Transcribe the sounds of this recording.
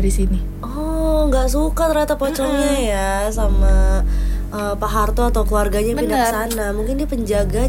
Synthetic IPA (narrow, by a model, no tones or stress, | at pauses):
ɾisini | ɔŋɡaʔsukat̪əɾat̪apɔt͡ʃɔŋɲajasama | əpaɦart̪ɔat̪awkəluarɡaɲapindaksanamuŋkɪndiapəɲd͡ʒaɡa